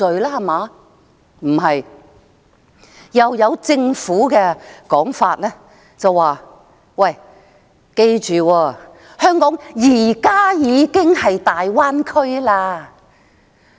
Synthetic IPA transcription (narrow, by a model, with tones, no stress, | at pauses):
ɵ˨ɥlaː˥hɐ˨maː˨˧˥ | m̩˨˩ɦɐ˨j | jɐ˨wjɐ˨˧wt͡sɪ˧ŋfuː˨˥kɛː˧kɔː˨˥ŋfaː˧t̚lɛː˥ | t͡sɐ˨wwaː˨ | wɐ˨˩j | ke˧jt͡ʃyː˨wɔː˧ | hœː˥ŋkɔː˨˥ŋjiː˨˩kaː˥jiː˨˧kɪ˥ŋhɐ˨jt̪aː˨jwaː˥nkʰɵ˥ɥlaː˧